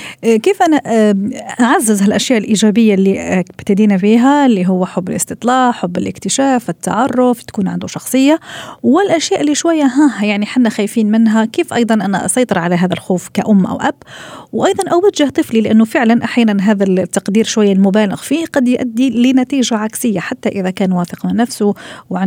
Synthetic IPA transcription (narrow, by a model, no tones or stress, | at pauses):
ʔkeːfʔæna | ʔaʕazːɪzhælʔæʃjaːʔɪlʔiːʒæbɪjːalːibt̪ad̪iːnafiːɦalːiɦʊwːaħʊbːɪlʔɪ̰st̪ɨt̪ˤlɑːʕħʊbːɪlʔɪkt̪ɪʃæːfɪt̪ːɑ̰ʕɑrˤːʊft̪kuːnʕand̪uʃɑxsˤɨjːawɪlʔæʃjaːʔɪlːiʃwajːaɦæhjaʕniħanːaxajfiːnmɪnɦækeːfʔɑjd̪ˤɑnʔæna̰ʔɑ̰sˤɑjt̪ˤɨɾʕalaɦæːðalxuːfkaʔʊmːʔa̰wʔæbwʔɑjd̪ˤɑnʔawaʒɪht̪ˤɨflilɪʔanːʊfɪʕlanʔaħjaːnanɦæːðat̪ːɑqd̪iːɾʃwajːalmʊbæːlɪɣfiːhqɑd̪jʔæd̪ːilɪnæt̪iːʒaʕaksɪjːaħat̪ːaʔɪðakæːnwaːfɪqmɪnːæfsʊwʕa